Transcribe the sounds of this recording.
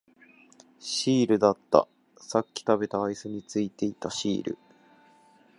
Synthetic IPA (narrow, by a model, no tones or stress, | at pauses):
ɕiːɾɯ̟d̪at̪ːa̰ | sakʲːi̥t̪abe̞t̪aːisɨɲ̟it͡sɨit̪e̞it̪aɕḭːɾɯ̰